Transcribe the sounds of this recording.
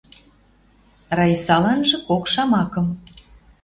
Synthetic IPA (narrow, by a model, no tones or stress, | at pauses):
rɑjsɑlɑnʒɤ̆kokʃɑmɑkɤ̆m